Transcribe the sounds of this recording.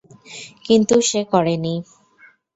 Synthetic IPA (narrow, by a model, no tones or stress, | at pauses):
kint̪uʃekɔɾeni